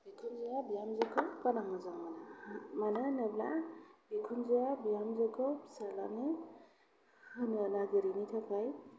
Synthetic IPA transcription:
bikʰunzɔjabijamzɯkʰɯwkanaŋazaŋmanamanɯnɯblabikʰunzɔjabijamzɯkʰɯwsalane | hɯnɯnaɡɯɾinitʰakʰaj

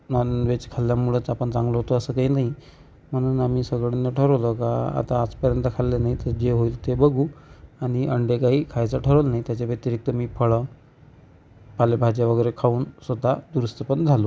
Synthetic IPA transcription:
naʋet͡ɕkʰaljamuɭət͡sapəɳt͡saŋɡloɦot̪oəsəːkaɦiːnaɦi | m̤əɽ̃uːnamiːsəɡɭenːəʈʰəɾəʋlokaa̰t̪aːt͡spəɾjənt̪əkʰalːenaɦit̪əɾd͡ʑeɦoilt̪ebəɡuːaɽ̃iəɳɖekaɦiːkʰajt͡saʈʰəɾəlnaɦit̪jat͡ɕabət̪iɾik̚t̪əmiːpʰəɭə | palebʱad͡ʑaʋəɡəjɾekʰauːnsod̪ʱːad̪uɾəst̪əpəɳd͡zʱalo

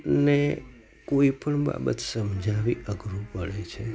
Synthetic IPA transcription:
ne | koipəɳba̰bə̰t̪səmd͡ʒʱaʋiʔəɡɾupəɭet͡ʃʰe

